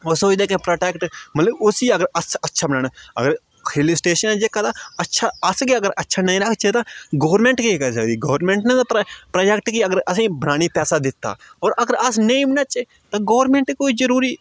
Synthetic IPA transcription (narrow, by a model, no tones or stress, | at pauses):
osoːd̪eːkẽpɾoːʈeːkʈmɐt̪ləbʊsiɐɡəɾɐsɐtːʃʰabənaːñaɐ̰ɡəɾ | ɾilɪsʈeːʃənẽd͡ʒeːkat̪aɐtːʃʰaɐskiɐɡəɾʔɐtːʃʰanɐĩɾɐkʰt͡ʃet̪aɡoːʋɾmẽɳʈkikɐsɐkd̪iɡoːʋɾmẽːɳʈnet̪ːppɾoːd͡ʒɛk̚ʈkiɐɡəɾɐs̬ĩːbənaːñipɛːsad̪ɪt̪ːa̰ːɔːɾɐɡəɾɐsnɐĩbnat͡ʃe | t̪ɐɡoːʋɾmẽɳʈkoːid͡ʒəɾuːɾiː